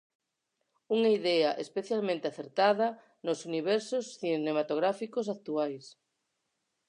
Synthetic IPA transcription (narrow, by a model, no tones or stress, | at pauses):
uŋaiðɛɐʔespeθjalmẽnt̪eaθeɾt̪aðɐ | nosuniβ̞ɛɾsosθinemat̪oɣ̞ɾafikos̬ak̚t̪uajs